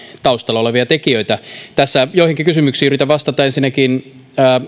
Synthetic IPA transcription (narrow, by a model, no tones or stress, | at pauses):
t̪ɑust̪ɑlːˑɑoleʋiɑt̪ekiøit̪æt̪æsːæjoˑihiŋkikysymyksiːyrit̪æʋʋɑst̪ɑt̪ɑensinːækinː